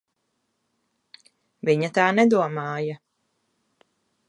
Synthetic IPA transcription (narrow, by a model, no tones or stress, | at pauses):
viɲat̪aːnɛd̪uɔmɑːjɐ